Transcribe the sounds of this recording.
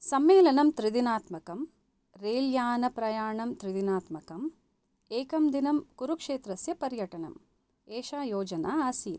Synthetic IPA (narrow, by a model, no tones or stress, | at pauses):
sɐmeːlɐnɐmt̪ɾid̪inaːt̪mɐkɐm | ɾeːljaːnɐpɾɐjaːɳɐmt̪ɾid̪inaːt̪mɐkɐm | eːkɐmd̪inɐmkuɾukʂeːt̪ɾɐsjɐpɐɾjɐʈɐnɐ̰m | eːʃaːjoːd͡ʒɐnaːaːsiːn